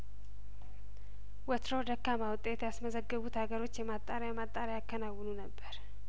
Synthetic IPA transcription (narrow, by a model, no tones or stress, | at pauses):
wət̪ʰɾo̞d̪əkːamawʊt̪ʼet̪jasməzəɡːəβut̪haɡəɾo̞t͡ʃːjɛmat̪ʼːaɾjamat̪ʼːaɾjakʰːənawːnunəbːəɾ